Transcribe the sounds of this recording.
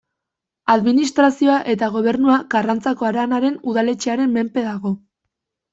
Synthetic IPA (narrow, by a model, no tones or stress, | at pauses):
aðminist̪ɾasio̞aʔe̞t̪aɣ̞o̞β̞e̞ɾnuakarant͡sako̞aɾanaɾe̞nuðale̞t͡ʃeaɾe̞mːe̞mpe̞ðaɣo̞